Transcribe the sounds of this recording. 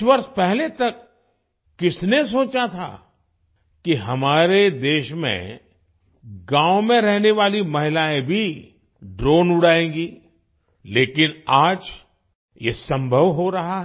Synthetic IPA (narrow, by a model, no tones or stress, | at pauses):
ʋɐɾspɛɦlet̪ɐkː | ɪsnes̬oːt͡ʃat̪ʰa̰ | kiɦɐmaːɾed̪eːʃmḛ̃ | ɡãːʋmẽɾɛɦneʋaːlimɐɦɪlaːẽbʱi | ɖɾoːnʊɽaːẽːɡiː | leːkɪnaːd͡ʒ | jesɐ̃mbʱəʋɦoɾɐɦaɦ